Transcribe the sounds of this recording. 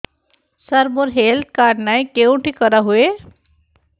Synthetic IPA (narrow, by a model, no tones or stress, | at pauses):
saɾmoɾɦeld̪̚kaɖnajkewɳʈikəɾaɦue